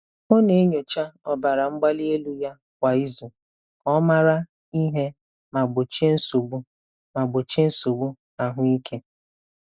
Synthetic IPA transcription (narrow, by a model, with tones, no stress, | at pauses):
mo˦ne˨e˦ɲo˨t͡ʃa˦ɔ˨ba˨ɾa˨ŋ͡m̩˦ɡ͡ba˦li˦e˦lu˦ja˦ | kʷa˨i˦zu˨ | ɔ˦ma˦ɾa˦ | i˦ɦe˦ | ma˨ɡ͡bo˨t͡ʃe˦n̩˦so˨ɡ͡bu˦ | ma˨ɡ͡bo˨t͡ʃe˦n̩˦so˨ɡ͡bu˦ | a˨ɦʊ˦i˦ke˦